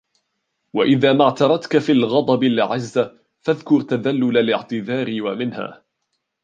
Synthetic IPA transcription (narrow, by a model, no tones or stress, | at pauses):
waʔɪðaːmaʕt̪ɑɾˤɑt̪kafiːlɣɑd̪ˤɑbɪlʕazːa | faðkʊɾt̪aðalːʊlalɪʕt̪ɪðaːɾɪwamɪnha̰ː